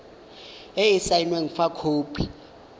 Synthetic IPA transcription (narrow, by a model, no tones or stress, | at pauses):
eisainweŋ̩fakʰoːpʰi̥